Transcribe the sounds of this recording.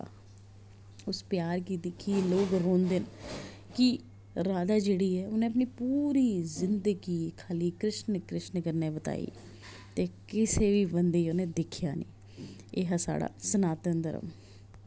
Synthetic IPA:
ʊspjaːɾkid̪ɪkʰːiloːɡɾoːnd̪en | ki | ɾaːd̪aːd͡ʒeːɽiːɛːʊnẽːəp̬niːpuːɾiːzɪnd̪əɡiːkʰaːliːkɾɪʃnkɾɪʃnkəɾneːbət̪a̰ːḭː | t̪eːkɪseːʋiːbənd̪eːionẽːd̪ɪkʰɪja̰ːnḭː | eɦasa̰ːɽa̰ːsənaːt̪ənd̪əɾə̰m

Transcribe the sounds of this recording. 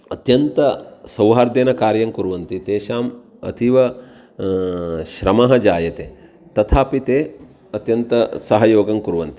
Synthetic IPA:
ɐt̪jɐnt̪ɐsɐwɦaːɾd̪eːnɐkaːɾjɐŋkuɾuʋɐnt̪it̪eːʃaːm | ɐ̰t̪ʰiʋɐ | ʃɾɐmɐɦɐd͡ʒaːjɐt̪eː | t̪ɐt̪ʰaːpit̪eː | ɐt̪jɐnt̪ɐsɐɦɐjoːɡɐŋkuɾuʋɐnt̪i̥

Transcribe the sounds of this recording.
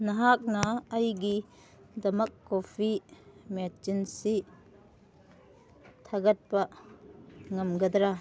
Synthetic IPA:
nɐɦak̚nɐːjɡi | dɐmɐkːopʰimet͡ʃinsi | tʰɐɡɐt̚pɐ | ŋɐmɡɐd̪ɾa

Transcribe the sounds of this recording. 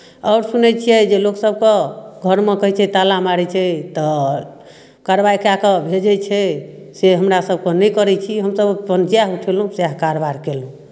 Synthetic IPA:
ɔːɾsunɛt͡ʃʰijɛd͡ʒeloksəb̚keɡʱəɾmekəɦɛjt͡ʃʰɛt̪alamaɾɛt͡ʃʰɛt̪ɔ | kaɾbaikakəbʱed͡ʒɛt͡ʃʰɛ | seɦəmɾasəb̚kenɛkəɾɛt͡ʃʰiɦəmsəbpənt͡ʃijauʈʰɛlɦũsaɦkaɾbaɾkelɦũ

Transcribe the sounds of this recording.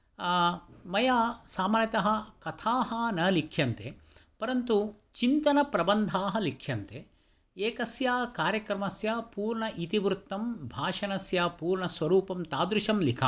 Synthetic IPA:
mɐjaːsaːmaːɾjɐt̪ɐɦɐ̆kɐt̪ʰaːɦɐnɐlikʰjɐnt̪ḛpɐɾɐnt̪u | t͡ʃint̪ɐnɐpɾɐbɐnd̪ʱaːɦɐ̆likʰjɐnt̪e | eːkɐsjaːkaːɾjɐkɾɐmɐsjaːpuːɾɳɐʔit̪iʋɾut̪ːɐmbʱaːʃɐnɐsjaːpuːɾɳɐsʋɐɾuːpɐmt̪aːd̪ɾuʃɐmlikʰa̰ː

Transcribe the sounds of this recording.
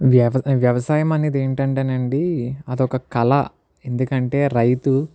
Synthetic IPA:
ʋjɐʋʋjɐʋɐsaːjɐmɐniːd̪eːɳʈɐɳʈɐnɐɳɖiɐd̪ɔkɐkɐlɐ̰ | e̞nd̪ukɐɳʈe̞ːɾɐjt̪u

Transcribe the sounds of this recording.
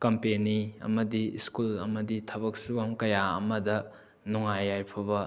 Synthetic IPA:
kɐmpeniɐ̰mɐdiskulɐ̰mɐditʰɐbɐk̚suɡɐmkɐjaɐ̰mɐdɐ | nuŋajːajpʰɐbɐ

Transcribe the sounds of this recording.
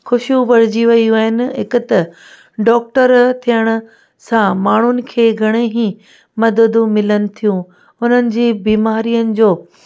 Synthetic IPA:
xʊʃjũʋɐɽ̤ɪd͡ʑiʋɐiuaːɦɪnɪ̆ɦɪkʊt̪ɐ | ɖɔːk̚ʈəɾt̪ʰijəɽ̃ʊ̆ | sãmaːɳ̤ʊnɪ̆kʰeːɡʱɐɽ̃eɦĩ | mɐd̪əd̪umɪlənɪ̆t̪ʰijũ | ʊn̤ənɪ̆d͡ʑiːbiːmaːɾijənɪ̆d͡ʑoː

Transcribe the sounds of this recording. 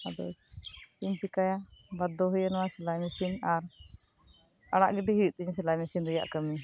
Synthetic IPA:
ad̪ɔ̰t͡ʃiɲpikajabad̪ɔɦujanɔwasɛlajmisinaɾ | aɽ̃a̰ʔɡɛɖɛɦiwiʔ̪̚ˀt̪iɲsɛlajmisinɾɛja̰ʔkəmi

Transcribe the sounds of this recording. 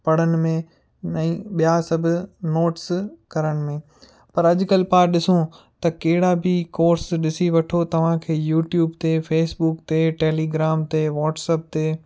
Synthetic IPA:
pɐɽ̤ənɪ̆mẽ | ɛ̃ːɓijasɐbʱʊ̆noːʈskɐɾəɽ̃ɪ̆mẽː | pɐɾɐʄkɐlpaːɗɪsõ | t̪ɐkeɦɪɽabʱɪkoːɾsɗɪsiʋɐʈʰot̪ɐʋ̤ãkʰeːjuːʈjuːbt̪eːfeːsbuːkt̪eːʈeːliːɡɾaːmt̪eːʋɔːʈsəp̚t̪eː

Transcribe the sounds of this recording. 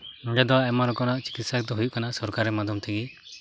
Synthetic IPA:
ɡɛd̪ɔɛmaɾɔkɔnaʔt͡ʃi̥kit̪sak̚d̪ɔɦujuʔkanasɔɾkaɾːɛmad̪ɔmt̪ʰɛɡi

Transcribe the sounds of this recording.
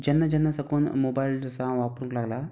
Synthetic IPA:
d͡ʑənːəd͡ʑənːəsəkuːnmobailəsãʋapɾũŋklaɡla

